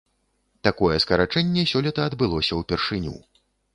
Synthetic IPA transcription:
t̪akɔjɛskɐɾat͡ʂɛnʲːɛsʲɔlʲit̪ɐːd̪bɨlˠɔsʲɐwpʲɛrʂɨnʲṵ

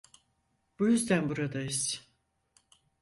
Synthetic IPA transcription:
b̥ujyzd̪ænbuɾad̪aiz̥

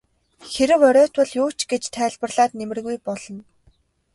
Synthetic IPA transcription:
xeɾɘ̆wœɾʲœːt̪wə̆ɮjʊːt͡ɕɡet͡ɕt̪ʰæːɮpə̆rɮaːt̪nemɘ̆rɣujpɔɮ̥ɞ̆n

